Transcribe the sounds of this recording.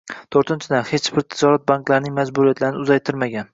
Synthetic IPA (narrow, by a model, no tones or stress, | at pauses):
t̪ʰoɾt̪ʰɪnt͡ʃʰɪd̪anhe̞t͡ʃbɪɾt̪ʰɪd͡ʒɒɾat̪̚banklaɾnɪŋmad͡ʒbʊɾijat̪ʰlaɾɪnɪʊzajt̪ʰɪɾmaɡʲan